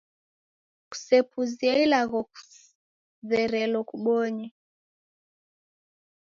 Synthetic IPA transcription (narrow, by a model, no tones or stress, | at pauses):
ku̥sɛpʰuziailaɣɔku̥ | ðɛɾɛlɔkuɓɔɲɛ